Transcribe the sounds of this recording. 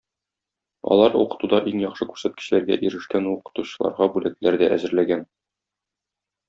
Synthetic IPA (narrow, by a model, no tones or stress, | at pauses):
ɒ̰lˠɑɾṵqɤ̥̆t̪ud̪ɑʔiŋjɒχʃɤkʉɾsæt̪kɘ̆ɕlæɾɡæ̰ʔiɾɘ̆ʃkænuqɤ̥̆t̪uɕɤ̆lˠɑ̰ɾʁɑbʉlæt̪læɾd̪æʔæzɘ̆ɾlæɡæn